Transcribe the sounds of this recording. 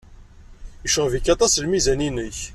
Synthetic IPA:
əʃʁvikːɑt̪ˤɑslmizæninəç

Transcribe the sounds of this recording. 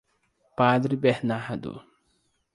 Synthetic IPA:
paːd̪ɾibɛhnaɦad̪ṵ

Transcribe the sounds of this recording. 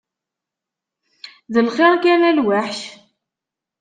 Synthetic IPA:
ðəlχeɾˤkænælwaħç

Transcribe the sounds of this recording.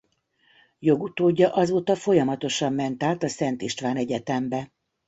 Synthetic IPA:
jo̞ɡut̪oːɟːɒʔɒzoːt̪ɒfo̞jɒmɒt̪o̞ʃɒmːɛnt̪aːt̪ɒsɛnt̪iʃt̪ʋaːnɛɟɛt̪ɛmbɛ

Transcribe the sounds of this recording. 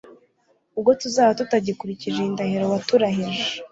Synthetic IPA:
ub̚ɡo̞tuzaːβatutaɟikuɾiciʒeindaɦiɾowatuɾaɦiʒe

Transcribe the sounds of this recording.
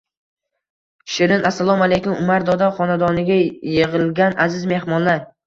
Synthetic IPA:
ʃɪɾɪnʔasːalˠɒmalejkʲʊmʊmaɾd̪ɒd̪aχɒnad̪ɒnɪɡʲajeʁɪlˠɡʲanʔazɪzme̞hmɒnlaɾ

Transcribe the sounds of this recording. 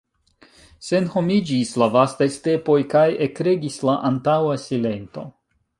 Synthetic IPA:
se̞nho̞mid͡ʒislavastajste̞po̞jkajekɾe̞ɡislaʔantawasile̞nto̞̰

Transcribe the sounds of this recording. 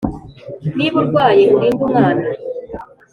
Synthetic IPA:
niβuɾɡwaːjeʔuɾiːŋɡuŋaːna

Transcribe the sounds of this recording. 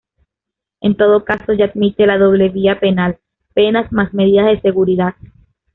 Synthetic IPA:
e̞nt̪o̞ðo̞kaso̞ʝaːd̪mit̪elað̞o̞βle̞βiape̞nal | pe̞nasmasmeð̞iðazðe̞se̞ɣuɾiðað

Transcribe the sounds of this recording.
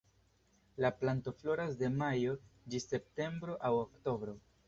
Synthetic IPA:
laplanto̞flo̞ɾasde̞majo̞d͡ʒise̞p̚te̞mbɾo̞ʔawokto̞bɾo̞

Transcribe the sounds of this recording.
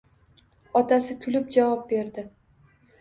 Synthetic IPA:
ɒt̪ʰasɪkʲʰʊlɪp̚d͡ʒavɒp̚be̞ɾd̪ɪ

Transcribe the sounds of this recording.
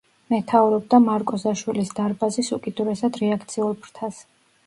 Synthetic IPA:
mɛt̪ʰauɾɔb̚d̪amaɾkʼɔzaʃwilisd̪aɾbazisukʼid̪uɾɛsad̪ɾɛakʰt̪sʰiulˠpʰɾt̪ʰas

